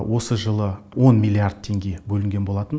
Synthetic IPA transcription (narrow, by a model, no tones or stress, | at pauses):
wʔo̞səʒəlˠə | wo̞nmʲilʲːˠiaɾd̪̥̚t̪ʰe̞ŋɡʲe̞bɵlɪŋɡʲenbo̞lˠɑt̪ən